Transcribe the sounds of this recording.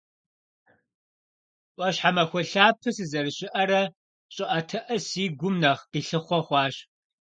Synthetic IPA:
ʔʷɐɕħamɐxʷɔɬaːpʰɨsɨzɐrɨɕɪʔɐɾɐ | ɕʼɪʔɐtʰɐʔɐsiːɡʷʊmnɐχqiːɬɨχʷɔχʷɑːɕ

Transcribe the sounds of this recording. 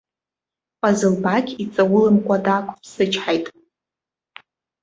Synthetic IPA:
pʼazɨlbakʲit͡sʼawʊlɨmkʷʼadakʷʼpʰsɨt͡ʃʰħajtʼ

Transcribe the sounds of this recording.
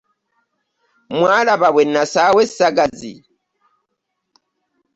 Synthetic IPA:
mwalaβaβwenːasawesaɡazḭ

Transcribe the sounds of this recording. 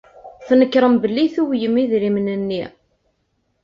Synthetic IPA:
θnəkːɾˤəmbəlːiθuwjəmiðɾimnənːi

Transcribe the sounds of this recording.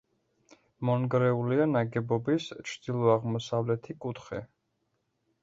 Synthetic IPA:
mɔnɡɾɛulianaɡɛbɔbist͡ʃʰd̪̥ilˠɔaʁmɔsavlɛt̪ʰikʼut̪ʰχɛ

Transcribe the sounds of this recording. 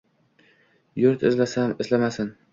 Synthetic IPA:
jʊɾt̪ʰɪ̰zlasamɪzlamasɪn

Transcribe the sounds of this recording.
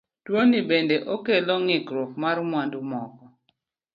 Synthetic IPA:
twonibendeʔokelɔŋɪkɾokmaɾmwandumɔkɔ

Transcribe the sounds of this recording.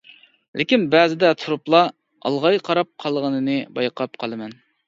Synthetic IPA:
lɪkʲinbɛːzɪd̪ɛt̪ʰuɾuplˠɑ | ɑ̰lˠʁɑjqʰɑɾɑp̚qʰɑlˠʁənɨnɨbɑjqʰɑp̚qʰɑlˠɨmɛn

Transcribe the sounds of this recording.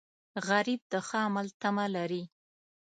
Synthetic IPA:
ɣaɾib̚d̪əxɑmalt̪amalaɾi

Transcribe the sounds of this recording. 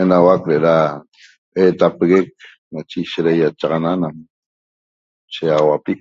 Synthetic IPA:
enawakɾeʔɾa | et̪apeɣek̚ | nat͡ʃeʃeɾajat͡ʃɑʁɑnanam | ʃijɑʁɑwapi

